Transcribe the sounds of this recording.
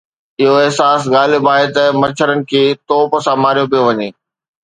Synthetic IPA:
ɪɦoɪɦsaːsɣaːlibaːɦet̪əmɐt͡ɕʰəɾənɪ̆kʰeːt̪ɔːpsãmaːɾijopijoʋɐɲeː

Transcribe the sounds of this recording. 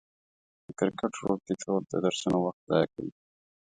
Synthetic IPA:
d̪əkɪɾkəʈɾol̚t̪iʈ͡ʂʰold̪əd̪aɾsanowaxt̪̚zɑ̰ja̰ka̰wḭ

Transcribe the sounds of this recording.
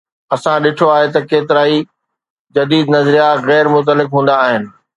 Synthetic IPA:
ɐsãɗɪʈʰoaːɦet̪ɐkeːt̪ɪɾaːi | d͡ʑɐd̪iːd̪nɐzɾijaɣɛːɾmʊt̪̬əlɪkɦũːnd̪aːɦɪnɪ̆

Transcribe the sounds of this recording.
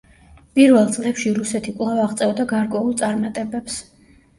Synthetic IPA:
pʼiɾvɛlˠt̪sʼlɛpʃiɾusɛt̪ʰikʼlˠavaʁt̪sʼɛvd̪aɡaɾkʼwɛulˠt̪sʼaɾmat̪ʼɛbɛps

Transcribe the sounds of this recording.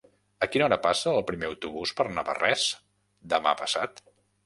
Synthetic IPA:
əkinɔɾəpasəːlˠpɾimeəwt̪uβuspəɾnəβə̰rɛs | d̪əma̰pəsa̰t̪

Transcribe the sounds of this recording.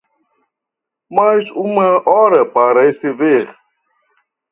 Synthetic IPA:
majzũmɐʔɔɾɐpaɾɐest̪eveʁ

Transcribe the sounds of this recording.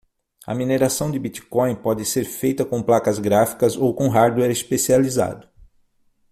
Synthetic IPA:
ɐ̰mineɾasɐ̃w̃d͡ʒ̪ɪbit͡ʃi̥kõj̃pɔd͡ʒɪseɾfejt̪ɐkõplakɐzɡɾafi̥kɐzowkõɦaɾd̪uɛɾespesializa̰d̪ʊ

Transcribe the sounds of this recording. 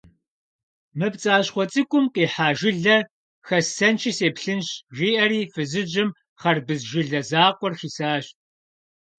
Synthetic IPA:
mɨpt͡sʼaːɕχʷɔt͡sʼɨkʷʼʊmqiːħaːʒɪɮɐ | xɐsɐnt͡ʃʰɪseːpɬɨnɕʒʷiːʔɐɾiːfɨzɨd͡ʒɪm | χɐrbɨzʒɪɮɐzaːqʷɔrxiːsaːɕt̚ʼ

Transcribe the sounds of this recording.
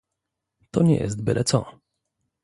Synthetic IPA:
t̪ɔɲɛ̰jɛ̰s̬t̪̚bɘlʔɛt̪sɔ

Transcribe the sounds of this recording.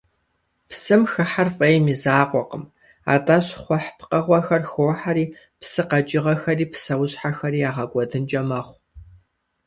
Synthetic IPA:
psɨmxɨħarfʼɐjmizaːqʷʼɔqə̰m | a̰ːtʼaɕχʷɔħpqɐʁʷɔxɐrxoħaɾiː | psɨqɐt͡ʃʼɪʁɐxɐriːpsɐwʊɕħaxɐɾiːaːʁɐɡʷʼɔdɨnt͡ʃʼɐmɐχʷ

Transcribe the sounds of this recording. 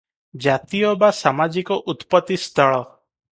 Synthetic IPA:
d͡ʒat̪ijɔbasamad͡ʒikɔʔut̪pɔt̪ist̪ʰɔɭɔ

